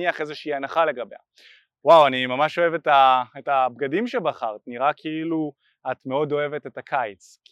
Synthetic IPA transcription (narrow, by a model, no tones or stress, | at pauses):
iaχe̞zeʃiianaχale̞ɡabe̞a̰ | wawanimamaʃo̞e̞vetaetabɡadimʃebaχaʁtniʁakʰiilu | atme̞o̞do̞e̞vetetakʰajt͡s | k